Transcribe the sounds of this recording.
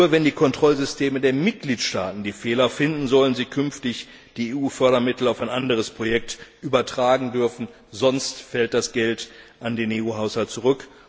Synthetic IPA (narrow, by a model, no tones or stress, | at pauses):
nɐvɛndiːkʰɔntʁ̥ɔlzʏstʰeːmədeːɐmɪt̚ɡ̥liːtʃta̰ːtn̩diːfeːlɐfɪndn̩zɔlənziːkʰʏnftɪç | d̥iːeuːfœɐɾɐmɪtl̩aʊfaɪnʔandəʁ̞əspʁ̥ojɛk̚tʔyːbɐtʁ̥aːɡŋ̩dʏɐfn̩ | zɔnstfɛlt̚d̥asɡ̥ɛltʔandeːneːuːɦaʊshalt̚t͡suʁ̞ʏk